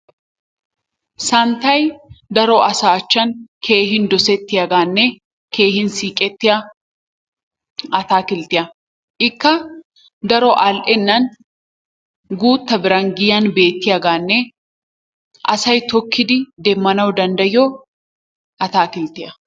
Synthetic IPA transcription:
sɐnt̪ɐjd̪ɐɾɔʔɐsaːt͡ʃːɐnkʰe̞ːɦɪnd̪ɔsɛt̪ːɪjɐɡaːnːɛ | ke̞ːhɪnsiːkʼɛt̪ːɪjɐ | ɐt̪aːkɪlt̪ɪʔɐ | ʔɪkːɐ | d̪ɐɾɔʔɐlʔɛnːɐn | ɡuːt̪ːɐbɪɾɐŋɡɪjɐnbe̞ːt̪ːɪjɐɡaːnːɛ | ʔɐsɐjt̪ɔkʰːɪd̪ɪd̪emːɐnɐwd̪ɐnd̪ɐjoː | ʔɐt̪aːkɪlt̪ɪʔɐ

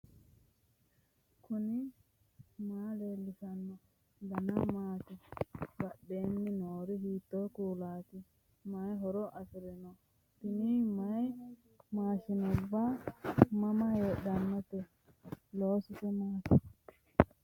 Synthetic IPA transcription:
kʰʊnɪ | maːleːlːɪsɐnːɔ | d̪ɐnɐmaːt̪ɪbɐɗːeːnːɪnoːɾɪhiːt̪ːɔjkuːlaːt̪ɪ | majɦɔɾɔʔɐfɪɾɛnɔ | tɪnimɐj | maːʃɪnɔbːa | mɐmɐheːɗɐnːɔt̪ɛ | loːsɪsɛmaːt̪ɪ

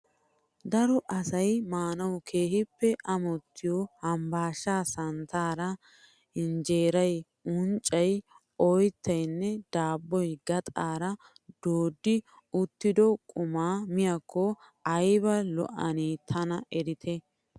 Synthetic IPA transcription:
d̪ɐɾɔʔɐsɐjmaːnɐwkʰe̞ːhɪpːɛʔɐmɔt̪ːɪjɔhɐmbaːʃːaːsɐnt̪aːɾɐ | ɪnd͡ʒeːɾɐj | ʊnt͡ʃʼːɐj | ɔjt̪ːɐjnːɛd̪̥aːbːɔjɡɐt̪ʼaːɾɐ | d̪oːd̪ːɪ | ʊt̪ːɪd̪ɔkʼʊmaːmɪjɐkʰːɔ | ɐjbɐlɔ̰ʔɐ̰niːt̪ʰɐnɐʔɛɾɪt̪ʰɛ

